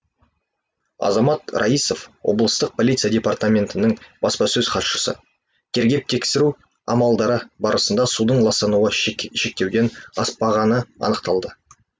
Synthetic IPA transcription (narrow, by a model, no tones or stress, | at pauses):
ɑ̰zɑmɑt̪rʔɑ̰ijso̞fwo̞̰blˠəst̪əq̚pʰo̞lʲit̪sijadʲe̞part̪amʲe̞nt̪ɪnɪŋb̥ɑspɑsɵzqʰɑt̪ʃə̥sə̰ | t̪ʲʰeɾɡʲe̞p̚t̪ʰe̞kʲsɪɾu | ɑ̰mɑlˠd̪ɑɾəbɑɾəsənd̪ɑsud̪əɴlˠɑst̪ɑnuəʃe̞k̚t̪e̞wd̪e̞nɑ̰spɑʁɑnəɑ̰nəqt̪ɑlˠd̪ə